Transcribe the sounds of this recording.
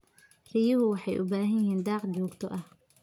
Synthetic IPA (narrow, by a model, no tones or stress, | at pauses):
rɪjɐɦʊwɑħɑjʔʊbaːɦɐjɪɦiːnd̪ɑːqt͡ʃɔːɡt̪ʰɔʔɐh